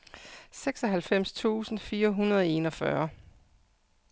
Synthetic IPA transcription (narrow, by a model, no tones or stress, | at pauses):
seɡ̥sɒɦælfem̰st͡sʰṵːsn̩fiːɐɦunɐð̞ˠe̝̰ːnɒ̽fɶɐ